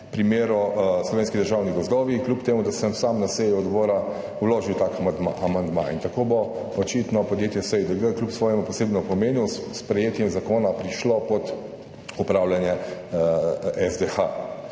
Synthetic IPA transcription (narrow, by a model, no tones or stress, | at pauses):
pɾimeːɾɔslɔʋenskid̪əɾʒaːwniɡɔzd̪ɔːʋiklʲupt̪eːmud̪asəmsamnasejuɔd̪bɔːɾa | wloːʒiwt̪aːkd̪aʔamand̪ma̰int̪akoːbo | ɔt͡ʃiːt̪nɔpɔd̪jeːt̪jɛsəjd̪əɡəklʲupsʋɔːjɛmupɔseːbnɔpɔmeːnuspɾɛjeːt̪jɛmzakoːnapɾiʃlopɔt̪ | upɾaːwlanjɛ | ɛzd̪exa